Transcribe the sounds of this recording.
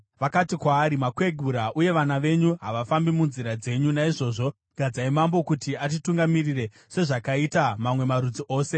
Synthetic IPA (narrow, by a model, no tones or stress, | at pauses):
ʋakatikwaːɾimakwe̞ɡʱuɾaʔuje̞ʋanaʋe̞ɲuɦaʋafambimunziɾad͡ze̞ɲunaiʐo̞ːʐo̞ | ɡ̥ʱad͡zaimambo̞kutiat̬ituŋɡamirire̞ | se̞ʐakaitamamwe̞maɾud͡ziʔo̞ːse̞